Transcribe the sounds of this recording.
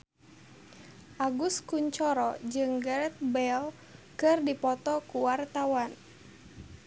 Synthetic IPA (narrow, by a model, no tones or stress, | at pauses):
ʔaɡuskuɲt͡ʃɔɾɔd͡ʒɨŋɡəɾɛt̪̚bɛl | kɨrdipɔt̪ɔkuwart̪awan